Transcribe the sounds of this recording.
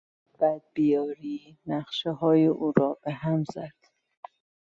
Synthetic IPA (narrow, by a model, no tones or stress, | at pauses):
b̥æd̪̚bijɒːɾiː | næχʃeɦɒːjeʔuːɾɒːb̥eɦæmzæd̪̥